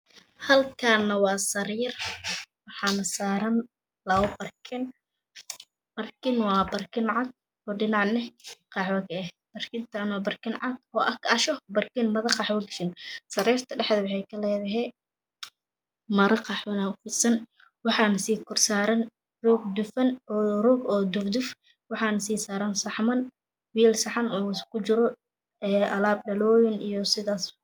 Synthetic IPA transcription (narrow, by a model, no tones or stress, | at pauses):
hɐlkʰanɐwɑːsɐɾrwɑħɑːnɐsaːɾɐn | lɐʊbɐrkʰɪn | bɐrkʰɪnwɑːbɐrkʰɪnʕɑd̪̚ | ɔːɖɪnɑʕnɛqɑːħwɐkɐɛh | b̥ɐrkʰɪnt̪ʰanwɑːbɐrkʰɪnʕɑd̪ɔːʔɐkʰɐʃɔbɐrkɪnmɐðɐqɑħwɐɡʃɪnsɐɾɛːrt̪ʰɐɖɛħd̪ɐwɑħɑjkʰɐlɛːðɐɦɛ | mɐɾɐqɑːħwɐnaʊfɪsɐn | wɑħɑːnɐsiːkʰʊrsaːɾɐn | rɔːɡ̚d̪ʊfɐnɔːrɔɡɔːd̪ʊfd̪ʊf | wɑħɑːnɐsiːsaːɾɐnsɑħmɐn | wiːlsɑħɑnɔːɪskʰʊt͡ʃɪɾɔ | ɛːʔɐlaːb̚ɖɐlɔːjɪnijɔsɪðaːs